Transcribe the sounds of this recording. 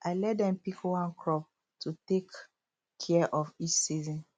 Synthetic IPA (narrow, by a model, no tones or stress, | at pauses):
ʔaɪlɛt̚dɛ̃mpikwɔ̃nkʰɹɔp̚ | tʰutek | kʰɛʔɔfit͡ʃsizɔ̃n